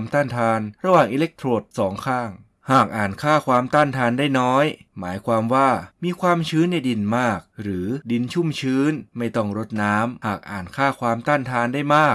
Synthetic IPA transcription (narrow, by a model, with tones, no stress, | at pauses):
mt̪aː˥˩nt̪ʰaː˧nɾa˧waː˨˩ŋʔiː˧le˦˥k̚t̪ʰɾoː˨˩t̪̚sɔː˩˦ŋkʰaː˥˩ŋ | haː˨˩k̚ʔaː˨˩nkʰaː˥˩kʰwaː˧mt̪aː˥˩nt̪ʰaː˧ndaː˥˩jnɔː˦˥j | maː˩˦jkʰwaː˧mwaː˥˩miː˧kʰwaː˧mt͡ɕʰɯː˦˥nːa˧jdi˧nmaː˥˩k̚ɾɯː˩˦di˧nt͡ɕʰu˥˩mt͡ɕʰɯː˦˥nma˥˩jt̪ɔ˥˩ŋɾo˦˥t̪̚naː˦˥mhaː˨˩k̚ʔa̰ː˨˩nkʰaː˥˩kʰwaː˧mt̪aː˥˩nt̪ʰaː˧ndaː˥˩jmaː˥˩k̚